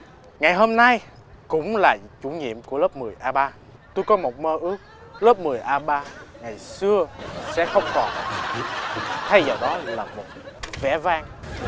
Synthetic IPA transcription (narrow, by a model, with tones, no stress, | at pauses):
ŋa˨˩jɦo˧mna˧j | kʊ̰˧˥ŋ͡mlaː˨˩t͡ɕu˧˩ɲḭ˧˨əmku˧˩ələː˦˥p̚mɨ˨˩əjʔaː˧ɓaː˧ | t̪u˧jkɔ˨˦mo˨˩t̚məː˧ʔɨ˦˥ək̚ləː˦˥p̚mɨ˨˩əjʔaː˧ɓaː˧ŋa˨˩jsɨ˧əsɛ̰˧˥xə˧wŋ͡mkɔ˨˩n | t̪ʰa˧jzɔ˨˩wɗɔ˨˦laː˨˩mo˨˩t̚ | vɛ̰˧˩vaː˧ŋ